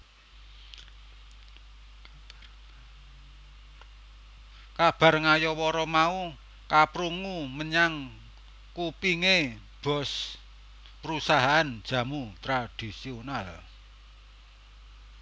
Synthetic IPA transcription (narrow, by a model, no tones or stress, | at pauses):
kab̥a̤rŋajɔwɔɾɔmau | kapɾuŋuməɲaŋ | kupiŋe | b̥ɔ̤s | pəɾusaɦaʔan̥ʒ̥ä̤mut̪ɾad̥isional